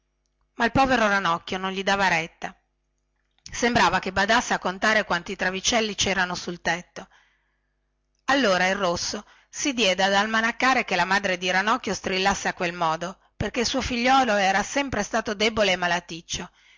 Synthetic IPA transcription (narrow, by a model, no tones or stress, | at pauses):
mailpɔːveɾoɾanɔkːjonõnʎid̪aːvaɾɛt̪ːa | sembɾaːvakebad̪asːeakːont̪aːɾekwant̪it̪ɾavit͡ʃɛlːit͡ʃɛːɾanosult̪ɛt̪ːo | alːoːɾairːosːo | sid̪jɛd̪ead̪almanakːaːɾekelamad̪ɾed̪iɾanɔkːjost̪ɾilːasːeakːwelmɔːd̪o | perkeilsuːofiʎːɔːloɛːɾasɛmpɾest̪aːt̪od̪eːboleːmalat̪it͡ʃːo